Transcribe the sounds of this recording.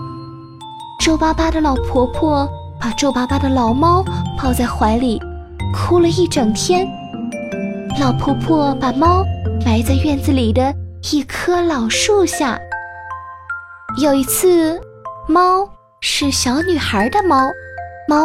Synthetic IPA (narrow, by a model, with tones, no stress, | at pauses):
ʈ͡ʂo˥˩ʊpa˥pa˥d̪ə˨lɑ˨˩ʊpʰwɔ˧˥pʰwɔ˥˩ | pa˨˩ʈ͡ʂo˥˧ʊpa˥pa˥d̪ə˨lɑ˨˩ʊmɑ˥ʊpɑ˥˧ʊt͡sa˥˩ɪxwa˧˥ɪli˨˩ | kʰu˥lə˧i˥˩ʈ͡ʂɤ˨˩ŋt̪ʰjɛ˥n | lɑ˨˩ʊpʰwɔ˧˥pʰwɔ˥˩pa˨˩mɑ˥ʊma˧˥ɪt͡sa˥˧ɪɥɛ˥˧nd͡zɹ̩˩li˨˩d̪ə˦i˥˩kʰɤ˥lɑ˨˩ʊʂu˥˧ɕja̰˥˩ | jo˨˩ʊi˧˥t͡sʰɹ̩˥˧ | mɑ˥ʊ | ʂɻ̩˥˩ɕjɑ˧˥ʊny˨˩xə˞˧˥d̪ə˧mɑ˥ʊmɑ˥